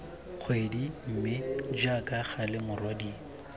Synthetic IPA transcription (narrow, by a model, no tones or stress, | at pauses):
q͡χʰwedim̩mɪd͡ʒakaχalɪmʊrwadiː